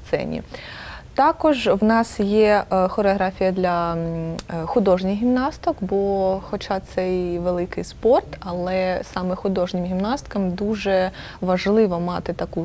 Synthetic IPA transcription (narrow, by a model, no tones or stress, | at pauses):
t̪sɛ̰nʲḭt̪ɑkɔʒwnɑsjɛxɔɾeɔɦɾɑfʲijɐd̪lʲɐ | xʊd̪ɔʒnʲɪxɦʲimnɑst̪ɔkbɔxɔt͡ʃɑt̪sɛjʋelˠɪkɪ̰jspɔrt̪ɐlˠɛsɑmɛxʊd̪ɔʒnʲɪmɦʲimnɑst̪kɐmd̪uʒɛ | ʋɐʒlˠɪʋɔmɑt̪ɪt̪ɐku